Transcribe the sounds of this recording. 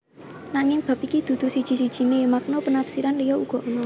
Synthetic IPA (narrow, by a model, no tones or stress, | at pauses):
naŋɪŋb̥a̤p̚ikid̪̥ṳd̪̥ṳsid̥ʒ̥i̤sid̥ʒ̥i̤nemak̚nopənafsiɾanlijɔuɡ̥ɔ̤ʔonɔ